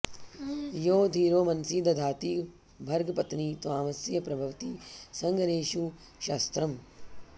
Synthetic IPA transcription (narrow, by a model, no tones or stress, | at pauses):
joːd̪ʱiːɾoːmɐnsiːd̪ɐd̪ʱaːt̪iː | bʱɐɾɡɐpɐt̪niːt̪uaːmɐsjjɐpɾɐbʱɐʋɐt̪iːsɐŋɡɐneːʃu | ʃaːst̪ɾɐm